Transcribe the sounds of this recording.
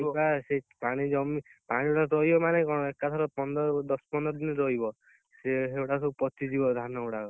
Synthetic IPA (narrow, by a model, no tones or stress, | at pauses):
iasepaɽ̃id͡ʒɔmipaɽ̃ieʈaɾɔɦibɔmanekɔ̃ekːat̪ʰɔɾɔpɔnd̪ɔɾɔd̪ɔspɔnd̪ɔɾɔd̪inɔɾɔɦibɔ | seɦewʈasɔpɔt̪id͡ʒibɔd̪ʱanɔʈa